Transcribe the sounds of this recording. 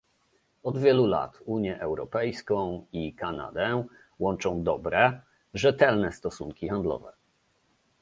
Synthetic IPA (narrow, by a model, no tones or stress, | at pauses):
ɔd̪vʲjɛlula̰t̪uɲjɛʔɛwɾɔpɛjskɔ̃w̃ikana̰d̪ɛ | wɔnt͡ʂɔ̃w̃d̪ɔbɾɛ | ʐɛt̪ɛlnɛst̪ɔsuŋkʲixand̪lɔ̰vɛ